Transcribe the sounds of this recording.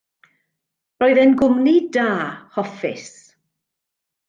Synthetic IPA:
rɔːɨðɛnɡʊmnidaːhɔfɪs

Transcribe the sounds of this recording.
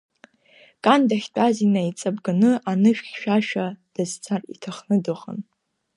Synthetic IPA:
kʼandaχʲtʷʼazinait͡sʼabɡanɨʔanɨʃᶣɡʃᶣaʃᶣad̥azt͡sʰarḭtʰaχnɨdɨχa̰n

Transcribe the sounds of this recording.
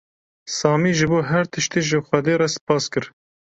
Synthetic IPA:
sɑːmiːʒɨboːɦɛɾt̪ʰɨʃt̪iːʒɨxʷɛd̪eːrɛspɑːskɨɾ

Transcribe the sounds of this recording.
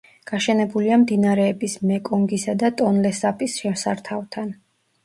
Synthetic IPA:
ɡ̥aʃɛnɛbuliamd̪inaɾɛːbismɛkʼɔŋɡisad̪at̪ʼɔnlɛsapʼisʃɛmsaɾt̪ʰavt̪ʰan

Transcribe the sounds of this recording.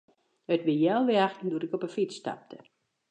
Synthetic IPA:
ətʋɪjɛlˠʋɪaxtnduɾɪkɔpənfit͡sːta̰p̚tʰə

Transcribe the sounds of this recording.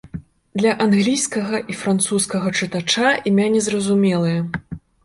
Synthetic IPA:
d̪lʲɐʔanɣlʲijskɐɣɐʔifɾant̪suskɐɣɐt͡ʂɨt̪at͡ʂaʔimʲanʲɛzrɐzumʲɛlˠɨjɐ

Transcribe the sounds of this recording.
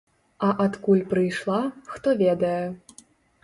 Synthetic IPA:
ɐʔat̪kulʲpɾɨjʂlˠaxt̪ɔvʲɛd̪ɐjɛ

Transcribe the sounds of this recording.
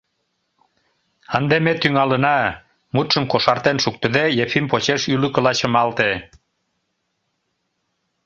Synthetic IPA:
ənd̪emet̪yŋɑlə̆nɑ | mut̪ʃə̆mkoʃɑrt̪enʃuk̚t̪ə̆d̪ejefimpot͡ɕeʃylə̆kə̆lɑt͡ɕə̆mɑlt̪e

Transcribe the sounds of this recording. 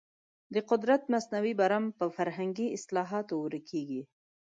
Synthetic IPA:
d̪əqʊd̪ɾat̪masnawibaɾampəfaɾɦaŋɡiɪslɑɦɑt̪owuɾəkʰeɡi

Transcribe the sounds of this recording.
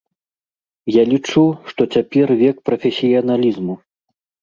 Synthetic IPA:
jalʲit͡ʂuʂt̪ɔt͡sʲapʲɛrvʲɛkpɾɐfʲɛsʲijɐnalʲizmu

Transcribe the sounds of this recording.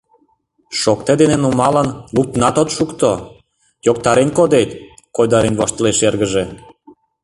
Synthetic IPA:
ʃokt̪ed̪enenumɑlənluk̚t̪nɑt̪ot̪ʃukt̪o | jok̚t̪ɑɾenkod̪et̪ | kojd̪ɑɾenβoʃt̪əleʃerɣəʒe

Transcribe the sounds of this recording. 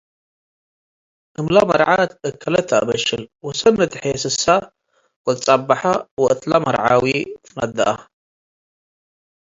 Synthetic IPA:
ʔɨmlamɐɾʕat̪ɨkʰːɐlɐt̪ʰːabɐʃɨlwɔsɐnːɐt̪ʰɨħjesɨsa | wɐlt͡sʼabːaħawɔʔɨt̪ʼlamɐɾʕawit̪ʰɨnad̪ːɐʔa

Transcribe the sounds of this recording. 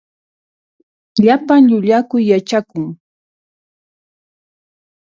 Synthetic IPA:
ʎapaŋʎʊʎakʊjːat͡ʃakʊŋ

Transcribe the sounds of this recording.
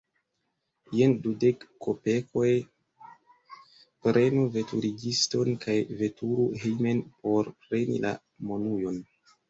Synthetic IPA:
jendudekːope̞ko̞j | pɾʔe̞nuve̞tʰuɾiɡisto̞nkajve̞tʰuɾuɦejmenpo̞ɾpɾe̞nḭla̰ | mo̞nujo̞n

